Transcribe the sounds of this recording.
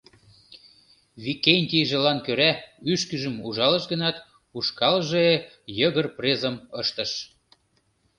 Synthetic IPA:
βikenʲt̪iʒĕlɑnkøɾæyʃkəʒə̆muʒɑlə̆ʃɣənɑt̪ | uʃkɑlʒɤe | jəɣə̆rprezəməʃt̪ə̆ʃ

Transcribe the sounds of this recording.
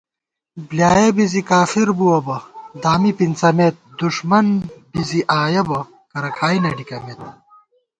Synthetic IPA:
bljaːjɐbizikaːfiɾbuwɐbɐd̪aːmipint͡sɐmet̪̚d̪uʂmɐnbiziʔaːjɐbɐ | kɐɾɐkʰaːinɐɖikɐmeːt̪̚

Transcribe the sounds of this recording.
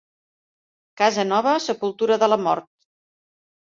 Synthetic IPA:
kazənɔβ̞əsəpulˠt̪uɾəðələmɔ̰ɾt̪̚

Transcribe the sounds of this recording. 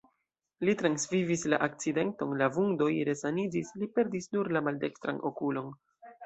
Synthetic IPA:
litɾansvivisla̰ʔak̚t͡side̞nto̞nlavuŋdo̞jɾe̞sanid͡ʒislipe̞ɾdisnuɾlamalde̞kstɾa̰nʔo̞kulo̞n

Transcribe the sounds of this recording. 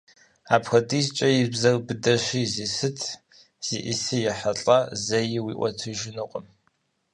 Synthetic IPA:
aːpxɐtʼiːst͡ʃʼɐjɪbzɐrbɨdɐɕʷiːzisɨtʰ | z̥ḭʔisɨjɪħaɬʼɐzɐjɪwiːʔʷɔ̰tʰɨʒɪnɨqʷʼʊm

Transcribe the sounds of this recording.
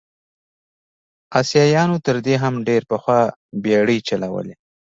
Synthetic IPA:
ɑsjɑjɑnot̪əɾd̪eɦamɖeɾpəxwɑbeɽət͡ʃalawə̰le

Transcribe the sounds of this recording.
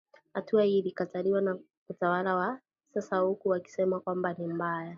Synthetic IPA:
hatuailikataliwana | utawalawa | sasaukuwaki̥sɛmakwambanimbaja

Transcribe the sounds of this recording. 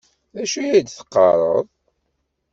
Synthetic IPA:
ðæʃujæd̪θə̥qːɑ̰ɾˤəðˤ

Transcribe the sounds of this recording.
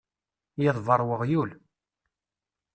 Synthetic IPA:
jɪðˤvəɾˤwəʁjul

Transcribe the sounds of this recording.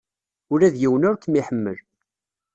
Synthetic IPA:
ʊɾæðjiwənʊɾkːmiħəmːə̰l

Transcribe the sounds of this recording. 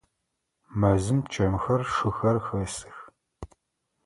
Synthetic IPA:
mɐzɨmt͡ʃʰʼɐmxɐrʂɨxɐrxɐsɨ̥x

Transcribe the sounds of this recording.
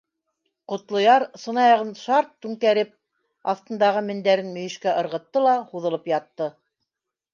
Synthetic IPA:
qŏt̪lˠŏjɑɾsɤ̆nɑjɑʁɤnʃɑɾt̪ːʉŋkæɾɘp̚ | ɑθt̪ɤ̆nd̪ɑʁɤmɘ̆nd̪æɾɘnmɵ̆jɘ̆ʃkæʔɤ̆ɾʁɤ̆t̪ːɤlˠɑhuðɤ̆lˠɤpjɑt̪ːɤ

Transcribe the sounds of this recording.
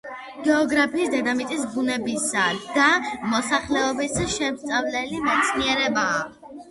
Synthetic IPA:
ɡ̥ɛɔɡɾapʰiːsd̪ɛd̪amit̪ʼisbunɛbisad̪amɔsaχlɛɔbisʃɛmst̪sʼavlɛlimɛt̪sʰniɛɾɛbaː

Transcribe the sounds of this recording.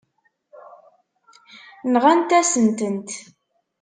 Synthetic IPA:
nʁænt̪æsənt̪ənt̪

